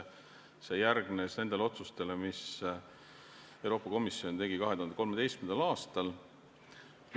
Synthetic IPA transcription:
se̞jærɡ̥nesne̞nd̪̥e̞leo̞t̪sust̪e̞lemis | ewɾo̞ːpːˑɑko̞misːio̞nt̪e̞ɡikɑɦeuɑnd̪ekomet̪e̞jst̪mend̪ɑlɑːst̪ɑl

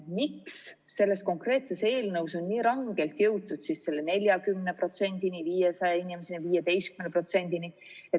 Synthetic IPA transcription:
mikssː | e̞lːe̞st̪ko̞ŋkre̞ːt̪se̞se̞ːlnɤwso̞nːiːɾɑŋɡ̥e̞lt̪jɤwt̪ːˑud̪̥sisːe̞lːe̞ne̞lʲjɑkymnepro̞t̪se̞nʲd̪̥iniviːjesɑjeinimeseniviːjed̪e̞jst̪kymenepro̞t̪se̞nʲd̪̥ini | e

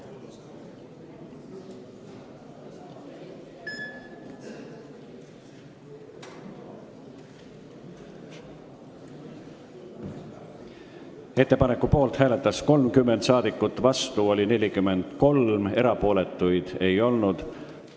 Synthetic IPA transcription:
e̞t̪ːe̞pɑne̞kːupo̞ːlt̪hæːle̞t̪ːˑɑsko̞lmkymːend̪sɑːd̪̥ikːˑut̪ːˑvɑst̪uo̞lʲine̞lʲikymːe̞nd̪̥ko̞lme̞ɾɑpo̞ːle̞t̪ːˑujd̪̥e̞jo̞lnud̪̥

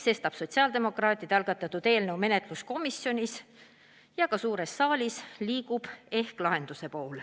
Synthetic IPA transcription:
se̞st̪ɑb̥so̞t̪ʲsiɑːld̪e̞mo̞krɑːt̪ʲˑid̪̥eɑlɡ̥ɑt̪ːˑɑt̪ːud̪e̞ːlnɤwme̞ne̞t̪ˑlusko̞misjo̞nʲis | jɑkɑsuːɾe̞sːɑːlʲisliːɡ̥ub̥e̞hklɑɦe̞nd̪use̞po̞ːl

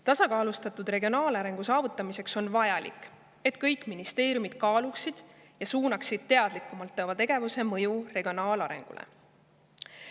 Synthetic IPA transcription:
t̪ɑsɑkɑːlust̪ɑt̪ːˑud̪re̞ɡio̞nɑːlɑɾe̞ŋɡ̥usɑːvut̪ːˑɑmise̞kso̞nvɑjɑlḭkːˑ | e̞t̪kɤjkˑminist̪e̞ːɾjumid̪̥kɑːluksid̪̥ | jɑsuːnɑksid̪̥̚t̪e̞ɑd̪likːˑumɑlt̪ˑːɑvɑt̪e̞ɡ̥e̞vuse̞mɤjure̞ɡ̥io̞nɑːlɑɾe̞̰ŋɡ̥ṵlḛ

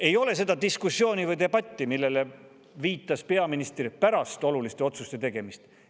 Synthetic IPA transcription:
e̞jo̞le̞se̞d̪̥ɑd̪iskusjo̞ːnʲivɤjd̪e̞bɑt̪ʲːimilːe̞le | viːt̪ːˑɑspe̞ɑminist̪rʲpæɾɑst̪o̞lulist̪e̞o̞t̪sust̪e̞t̪e̞ɡ̥e̞mist̪

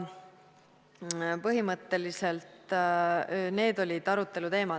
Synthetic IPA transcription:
pɤɦimɤt̪ːe̞lise̞lt̪ | ne̞ːd̪o̞lʲid̪̥ɑɾut̪ːˑe̞lut̪e̞ːmɑ

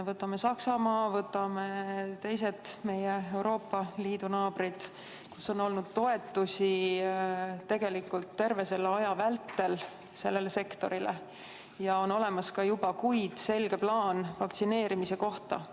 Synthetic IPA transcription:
vɤt̪ːˑɑme̞sɑksɑmɑːvɤt̪ːˑɑme̞t̪e̞js̬e̞t̪ːˑme̞jeewɾo̞ːpːˑɑliːd̪unɑːb̥rid̪̥ | kusːo̞no̞lnud̪̥t̪o̞e̞t̪ːˑusʲi | t̪e̞ɡ̥e̞likːult̪ːe̞rve̞se̞lːeɑjɑvælt̪ːe̞l | se̞lːe̞le̞se̞kt̪o̞ɾile | jɑo̞no̞le̞mɑskɑjubɑkujd̪̥se̞lɡ̥e̞plɑːnvɑkt̪sine̞ːɾimise̞ko̞ht̪ɑ̰

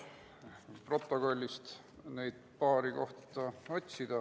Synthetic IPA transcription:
pro̞t̪ˑːo̞ɡ̥o̞lʲːist̪ | nejd̪̥̚pɑːɾiko̞ht̪ːˑɑo̞t̪ʲsid̪̥ɑ

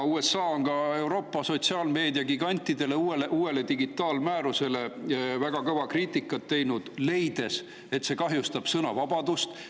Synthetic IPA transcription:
uːe̞sːɑːonkɑe̞wɾo̞ːpːˑɑso̞t̪siɑːlme̞ːd̪iɑɡiɡ̥ɑnʲt̪ːˑid̪e̞le̞ueleʔuːe̞le̞t̪iɡit̪ːˑɑːlmæːɾuse̞le̞væɡ̥ɑkɤvɑkriːt̪ˑikːˑɑt̪ːe̞jnud̪̥le̞jd̪̥e̞s | e̞t̪se̞ːkɑɦjust̪ɑb̥sɤnɑ̰vɑb̥ɑd̪̥ust̪

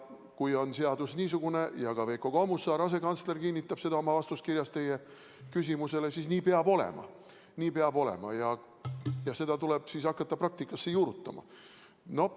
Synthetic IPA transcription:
kujo̞nse̞ɑd̪usniːsuɡ̥une̞jɑkɑve̞jkoɡ̥omusːɑːɾɑse̞kɑnt̪sle̞rkinʲːit̪ːˑɑb̥se̞d̪ɑo̞mɑvɑst̪uskirjɑst̪e̞je | kys̬ʲimuse̞lesisniːpe̞ɑbo̞le̞̰mɑ̰ | niːpe̞ɑbo̞le̞̰mɑ̰jɑ | jɑse̞d̪̥ɑt̪uleb̥sisɑkːɑt̪ːɑprɑk̚t̪ikːˑɑsːejuːɾut̪ːˑɑ̰mɑ̰ | no̞

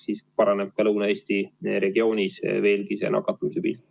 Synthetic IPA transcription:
siːspɑɾɑneb̥̚kɑlɤwnɑe̞ːsʲt̪iɾe̞ɡ̥io̞ːnʲisve̞ːlkise̞̰nɑ̰kːˑɑt̪ːˑumise̞pḭːlʲ

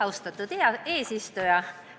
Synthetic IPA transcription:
ɑust̪ɑt̪ːut̪iɑeːsist̪ojɑ

